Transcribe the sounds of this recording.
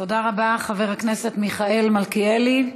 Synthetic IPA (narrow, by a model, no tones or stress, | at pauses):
to̞daʁabaχave̞ʁakne̞se̞tmiχae̞lmalkieli